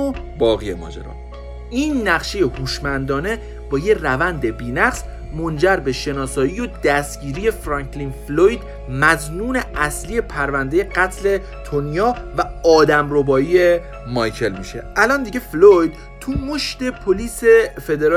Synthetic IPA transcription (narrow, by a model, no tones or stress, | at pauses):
obɒːɣijemɒ̰ːd͡ʒḛɾɒ̰ː | iːnːæɣʃeje̞huːʃmænd̪ɒːne̞ | b̥ɒːjerævænd̪e̞biːnæqs | mond͡ʒæɾbe̞ʃe̞nɒːsɒːijod̪̥æst̪ɟ̥iːɾije̞fɾɒːkʰlinflojd̪ | mæznuːne̞æslije̞pʰæɾvænd̪e̞je̞ɢæt̪ʰle̞ | t̪ʰonjɒːvæɒːd̪æmɾobɒːie | mɒjcʰe̞lmiʃḛʔælɒːnd̪iːɟeflojd̪̥ | t̪ʰumoʃt̪e̞pʰoliːsefe̞d̪eɾ